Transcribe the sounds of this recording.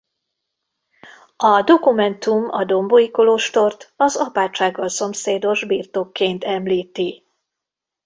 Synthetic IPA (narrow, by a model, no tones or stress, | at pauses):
ɒd̪o̞kumɛnt̪umɒ̰d̪o̞mbojiko̞loːʃt̪o̞rt̪ɒzɒpaːt͡ʃaːɡːɒlso̞mseːd̪o̞ʒbiːrt̪o̞kːeːnt̪ɛmliːt̪i